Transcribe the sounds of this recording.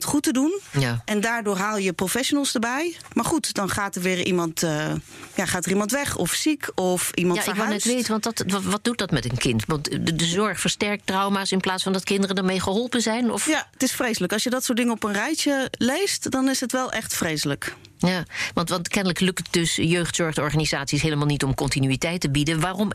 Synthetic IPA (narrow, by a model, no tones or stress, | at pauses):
tχutədunjaʔɛndaːɹdʊːɹɦaːlˠjəprofɛʃonəlˠsdəɹbɛjmaːɹχutdɑnχaːtəɹʋɪːrḭmɑntəjaχaːtərimɑntʋɛχɔ̰fsikʰɔfʔimɑnaɪkʋɪlnɛtʋejtənʋɑntdɑtʋɑd̚dut̚dɑtmɛtənkɪntʋɑntədəzɔɹχfəɹstɛɹk̚trɑwmaːsɪnplaːtsfɑndɑtkɪndərəndəɹmejχəɦɔlˠpənzɛjnɔfjaətɪsfrejsələkɑlˠsjədɑtsʊːtdɪŋəɔpənrɛjtəlejstdɑnɪsətʋɛlˠʔɛχtfrejsələkjaːʋɑntʋɑntkɛnələklɵktdɵsjøɥχtsɔɹχdəɔɹχaːnizaːtsisɦeːləmalˠnitɔmkɔntinyitɛjtəbidənʋaːrɔm